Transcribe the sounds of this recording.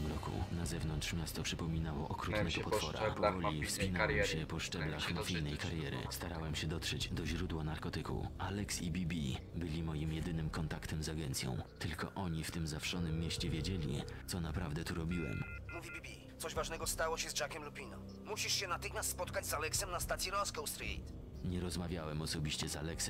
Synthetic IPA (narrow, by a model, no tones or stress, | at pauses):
ɛmɾɔkṵnazɛvnɔnt̪ʂmʲjast̪ɔpʂɘpɔmʲinawɔʔɔkɾut̪nɛɡɔpɔfɔɾa̰ɔvɔlʲifspʲinawɛɕɛpɔʂt͡ʂɛblaxmafʲijnɛjkaɾjɛɾɘ̰st̪aɾawɛmɕɛd̪ɔt̪ʂɛd͡ʑd̪ɔʑɾud̪wanaɾkɔt̪ɘkṵalɛksibʲibʲi | bɘlʲimɔjimjɛd̪ɘnɘmkɔnt̪akt̪ɛmzaɡɛnt̪sʲjɔ̰̃w̃t̪ɘlkɔ̰ʔɔɲift̪ɘmzafʂɔnɘmːjeɕt͡ɕɛvʲjed͡ʑelʲḭt̪sɔnapɾavd̪ɛt̪uɾɔbʲiwɛ̰mmuvʲibʲibʲi | t̪sɔʑvaʐnɛɡɔst̪awɔɕɛzd͡ʒakʲɛmlupʲinɔ | muɕiʂɕɛnat̪ɘxmʲjast̪spɔt̪kad͡ʑzalɛksɛmnast̪at̪sʲjɛɾɔskɔwst̪ɾḭt̪ | ɲɛɾɔzmavʲjawɛmɔsɔbʲiɕt͡ɕɛza̰lɛksɛm